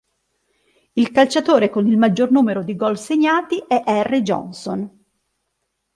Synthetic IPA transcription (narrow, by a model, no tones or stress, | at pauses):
ilkalt͡ʃat̪oːɾekonilmad͡ʒːornuːmeɾod̪iɡɔlseɲːaːt̪iʔɛʔɛrːid͡ʒɔ̰nson